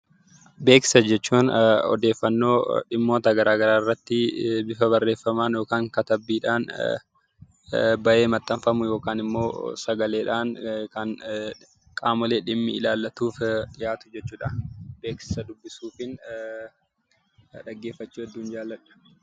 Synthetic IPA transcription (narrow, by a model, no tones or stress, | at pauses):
be̞ːksɪ̥sɐd͡ʒɛt͡ʃːuːnɔ̰d̪e̞ːfːɐnːo̞ːᶑɪmːo̞ːt̪ɐɡɐɾaːɡɐɾaːɪrːɐt̪ːɪbɪfɐbɐrːe̞ːfɐmaːnjo̞ːkaːŋkɐt̪ɐbːiːᶑaːn | bɐʔe̞ːmɐt̪ʼːɐɱfɐmʊjo̞ːkaːnɪmːo̞ːsɐɡɐle̞ːᶑaːnkɐn | kʼaːmɔleːᶑɪmːɪɪlaːlːɐt̪uːfᶑɪjaːt̪ʊ̥d͡ʒɛt͡ʃːuːᶑɐbe̞ːksɪ̥sɐd̪ʊbːɪsuːfɪn | ᶑɐɡːe̞ːfːɐt͡ʃːuːɐd̪ːuːnd͡ʒaːlːɐᶑɐ̥